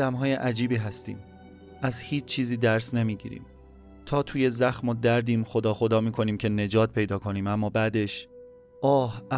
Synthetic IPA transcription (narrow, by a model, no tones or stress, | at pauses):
æmɦɒːjeʔæd͡ʒiːbiːɦæst̪ḭːm | ʔæzhiːt͡ʃʰt͡ʃʰːiːziːd̪æɾsne̞miːɟḭːɾḭːm | t̪ʰɒːt̪ʰuːje̞zæxmod̪æɾd̪iːmxo̞d̪ɒːxo̞d̪ɒːmiːkʰo̞niːmcʰe̞ne̞d͡ʒɒːt̪̚pʰe̞jd̪ɒːkʰo̞niːmæmːɒːbæd̪e̞ʃ | ʔɒːhæ